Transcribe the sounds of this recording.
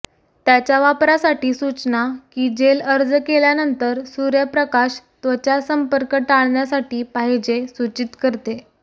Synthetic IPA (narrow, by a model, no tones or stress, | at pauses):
t̪jat͡ɕjaʋapɾasaʈiːsut͡snakiːd͡ʑeləɾd͡zkeljanənt̪əɾsuɾjapɾəkaɕt̪ʋət͡ɕjasəmpəɾkəʈaɭɳjasaʈiːpaɦid͡ʑesut͡ɕit̪kəɾt̪e